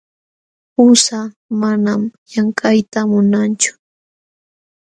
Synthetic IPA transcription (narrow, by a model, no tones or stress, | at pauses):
ʊsa | manamjaŋkajt̪amʊnant͡ʃʊ̥